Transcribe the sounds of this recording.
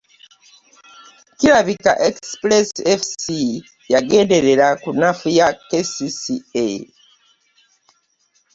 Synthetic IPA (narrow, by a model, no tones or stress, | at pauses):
kiɾaβika̰ʔekspɾesɛfsi | jaɡeːndeɾeɾakunafujakesisie